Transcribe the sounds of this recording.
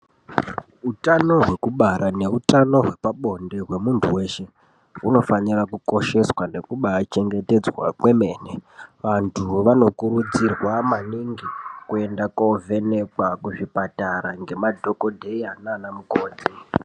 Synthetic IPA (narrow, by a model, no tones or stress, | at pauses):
utano̞ɦwe̞kuɓaɾane̞utano̞ɦwe̞paɓo̞nde̞ɦwe̞muntʰuwe̞ːʃe̞ | ṵno̞fanirakuko̞ʃe̞swane̞kuɓat͡ʃe̞ŋɡe̞te̞d͡zwa̰kwe̞me̞ːneʋantʰuʋano̞kuɾud͡zirwamaniŋɡikue̞ndakove̞ne̞kakuʐipataɾaŋɡe̞madʱo̞ko̞dʱeiananamukoːd͡zi